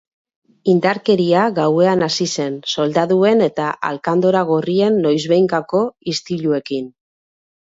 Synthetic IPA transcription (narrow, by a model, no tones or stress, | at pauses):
ind̪aɾke̞ɾiaɣawe̞anasise̞nso̞ld̪aðue̞ne̞t̪aʔa̰lkand̪o̞ɾaɣ̞orie̞nːo̞jzβe̞jŋkako̞ist̪iʎue̞kin